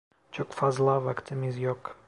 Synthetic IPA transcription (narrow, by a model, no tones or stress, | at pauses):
t͡ʃɔkfazlˠavakt̪ʲʰɛmizjɔk